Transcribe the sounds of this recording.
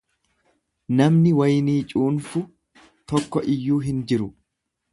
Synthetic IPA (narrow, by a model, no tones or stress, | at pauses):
nɐmnɪwɐjniːt͡ʃʼuːnfʊ | t̪ɔkːɔʔɪjːuːɦɪnd͡ʒɪɾʊ